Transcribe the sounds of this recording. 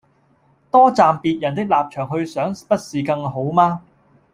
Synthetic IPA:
t̪ɔː˥t͡saː˨mpiː˨˧t̚jɐ˨˩nt̪̬ɪ˥k̚laː˨p̚t͡ʃʰœː˨˩ŋɦɵ˧ɥsœː˨˥ŋpɐ˥t̚siː˨kɐ˧ŋɦo˨˥wmaː˥

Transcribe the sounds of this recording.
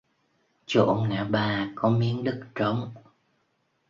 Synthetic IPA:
t͡ɕo̰˧˩nna̰ː˧˩ɓaː˨˩kɔ˨˦mi˨˦əŋɗɨ˦˥k̚t͡ɕɔ˨˦wŋ͡m

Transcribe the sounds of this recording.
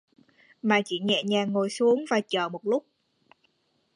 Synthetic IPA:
maː˨˩t͡ɕi˧˩ɲɛ̰˧˨ɲaː˨˩ŋo˨˩jsu˨˦əŋvaː˨˩t͡ɕəː˧˩mo˨˩t̚lʊ˦˥k͡p̚

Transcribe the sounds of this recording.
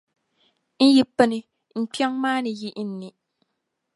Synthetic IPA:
n̩˦ji˦pə˦nɨ˨ | ŋ͡m̩˨k͡pi˦a˦ŋmaː˦nɨ˨ji˦ʔn̩˦ni˨

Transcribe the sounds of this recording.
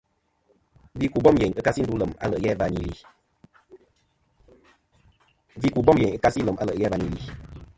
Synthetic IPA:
vi˦ku˨bɔ˦mje˨ɲɨ˦ka˦si˦n̩˨du˦lə˨ma̰˦lə˨ʔjɛ˦˨va˧ɲḭ˨lḭ˨ | vi˦ku˨bɔ˦mje˨ɲɨ˦ka˦si˦lə˨ma̰˦lə̰˨ʔjɛ˦va˨ɲi˨lḭ˨

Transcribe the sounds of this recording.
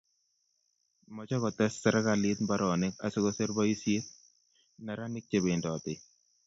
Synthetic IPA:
mɔ˦t͡ʃɔ˦kɔ˨t̪ɛ˦sːɛ˨ɾa˦ka˨lɪt̪mba˦ɾɔ˨nɪ˦ka˨sɪ˦kɔ˦se˦ɾba˦i˦sje˦t̪̚ | na˨ɾa˦nɪ˦k̚t͡ʃe˨be˨ndɔ˨t̪ɪ˨

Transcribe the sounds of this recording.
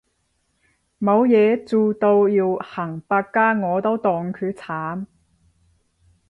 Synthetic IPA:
mo˨˧wjɛː˨˧t͡suː˨t̪o˧wjiː˧wha˨˩ŋpaː˧kkːaː˥ŋɔː˨˧t̪o˥wt̪ɔː˨ŋkʰyː˨˧˥t͡sʰaː˨˥m

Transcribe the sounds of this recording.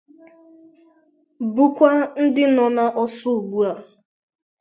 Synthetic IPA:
bu˦kʷa˦n̩˦dɪ˦nɔ˨na˦ʔɔ˦sʊ˦˨ɡ͡bu˦a˨

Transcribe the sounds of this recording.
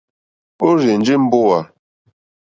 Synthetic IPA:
o˦ɾe˨n̩˨d͡ʒi˦m̩˦bo˦a˨

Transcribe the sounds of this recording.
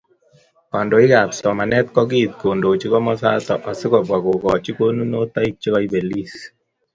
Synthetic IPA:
ɔ˨ndɔ˨ɪ˦ka˨psɔ˨ma˨nɛ˦t̪̚kɔ˦ɡi˦t̪̚ko˨ndo˨t͡ʃi˦kɔ˦mɔ˦sa̰˦t̪ɔ̰˨ʔa˨sɪ˦kɔ˨bwa˨ko˨kɔ˨t͡ʃi˦ko˦nu˦no˦t̪a˦i˦k̚t͡ʃi˦kɔ˦i˦be˨li˦s

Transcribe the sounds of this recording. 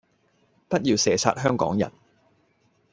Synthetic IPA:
pɐ˥t̚jiː˨˧wsɛː˨sʰa̰ː˧t̚hœː˥ŋkɔ̰ː˨˥ŋjɐ̰˨˩n

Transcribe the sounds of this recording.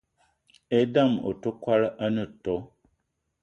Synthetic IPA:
e˦da˦˨mo̰˨tu˦kwa˦lʔa˦nɨ˦˨to˨˦

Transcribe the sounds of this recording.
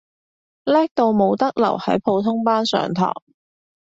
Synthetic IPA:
lɛː˥k̚t̪o˧wmo˨˧wt̪ɐ˥k̚lɐ̰˨˩whɐ˨˥jpʰo˨˧wt̪ʰʊ˥ŋpaː˥nsœ̰ː˨ŋt̪ʰɔ̰ː˨˩ŋ

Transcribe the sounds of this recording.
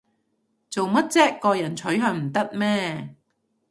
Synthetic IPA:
t͡so˨wmɐ˥t̚t͡sɛː˥kːɔː˧jɐ˨˩nt͡sʰɵ˨˥ɥɦœː˧ŋm̩˨˩t̪ɐ˥t̚mɛː˥

